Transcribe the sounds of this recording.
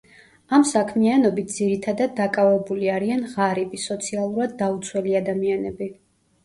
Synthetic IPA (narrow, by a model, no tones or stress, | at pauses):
amsakʰmianɔbit̪̚ʰd̪ziɾit̪ʰad̪ad̪ːakʼavɛbuliaɾianʁaɾibisɔt̪sʰialˠuɾad̪ːaut̪sʰwɛliad̪amianɛbi